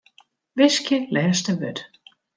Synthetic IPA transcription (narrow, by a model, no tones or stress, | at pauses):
vɪscɪlɛːst̪ɛvʏ̰ɾ